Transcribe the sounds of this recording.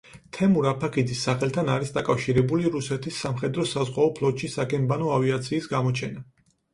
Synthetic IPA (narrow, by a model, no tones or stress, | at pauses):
t̪ʰɛmuɾapʰakʰid̪isːaχɛlt̪ʰanaɾisd̪akʼafʃiɾɛbuliɾusɛt̪ʰisːamχɛd̪ɾɔsazʁwaɔpʰlˠɔt̪ʃisakʰʼɛnbanɔaviat̪sʰiːsɡamɔt͡ʃʰɛna